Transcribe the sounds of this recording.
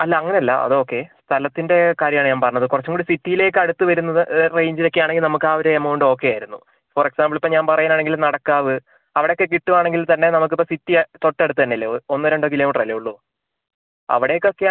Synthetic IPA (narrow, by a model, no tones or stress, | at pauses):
ɐlːaɐŋːɐneɐlːɐ̰ʔɐ̰ðɨo̞ːkːe̞st̪ʰɐlɐt̪ːinde̞kaːɾjɐmaːɳɨɲaːmpɐrɐɲːɐðɨkurɐt͡ɕːumkuːɽisitːijile̞ːkːɨɐɽut̪ːɨʋɐɾunːɐðɨrejɲd͡ʑiɾɐkʲːijaːɳeŋɡilnɐmukːaːʋɐɾɐemooɳɖɨo̞ːkːejaːjiɾunːu | foreksaːmbɨɭipːoɲaːnpɐrɐjaːnaːɳe̞ŋɡilnɐɽɐkːaːʋɨ | ɐʋiɽejokːe̞k̬iʈːuʋaːɳe̞ŋɡilt̪ɐnːe̞nɐmuk̬ːipːositːit̪o̞ʈːeɽut̪ːɨt̪ɐnːɐlːeonːɨɾeɳɖok̬iloːmiʈrɐlːejuɭːu | ɐ̰ʋiɽejokːokːe